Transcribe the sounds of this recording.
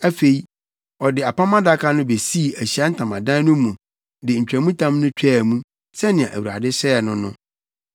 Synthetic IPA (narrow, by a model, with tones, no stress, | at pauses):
æ˦fe˨i˦ | ɔ˨dɪ˨a˨pã˦mã˦da˦kʰa˦nʊ̃˦be˨si˦˨æ˨ɕi˨a˦n̩˦tʰã˨mã˨dã˦n˦nʊ̃˦mũ˨ | dɪ˨ɲ̩˨t͡ɕᶣɾæ˨mũ˦tʰã˦mnʊ̃˦t͡ɕᶣʰɛ˦˨mũ˦ | sɛ˦nɪ̃˨ã˨ʔæ̰˨wu˨ɾa̰˨dɪ˦ɕɛ˦ɛ˨nʊ̃˦nʊ̃˦